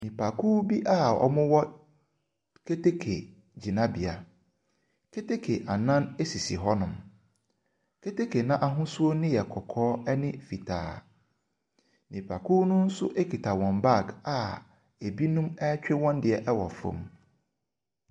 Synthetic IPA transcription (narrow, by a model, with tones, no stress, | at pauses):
nĩ˨pʰa˨kʰuː˦bi˦ʔa˦˨ɔ̰˨mʊ̃˦wɔ˦ | kʰe˦te˦kʰe˨ | d͡ʑi˨nã˦bi˨a˨ | kʰe˦te˦kʰe˨ʔa˨nã˦ne˦si˨si˨ɦɔ˦nʊ̃˨m | kʰe˦te˦kʰe˨nã˦ʔa˨ɦʊ̃˦su˦o˦nɪ̃˦jɛ˨kʰɔ˨kʰɔː˦ɛ˦nɪ̃˦fi˨tʰa̰ː˨˦ | nĩ˨pʰa˨kʰu˦nʊ̃˦n̩˦sʊ̰˦ʔe˦kʰi˨tʰa˨wɔ̃˨mba˦˨ka˨ | e˨bi˦nũ˦mɛ˦t͡ɕᶣɪ˦wɔ̃˦ndɪ˨ɛ˨ʔɛ˦wɔ̰˨fõ̰˨m